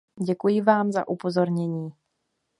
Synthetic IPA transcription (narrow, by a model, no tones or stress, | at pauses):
ɟɛkujɪvaːmza̰ʔupo̞zo̞ɾɲɛɲiː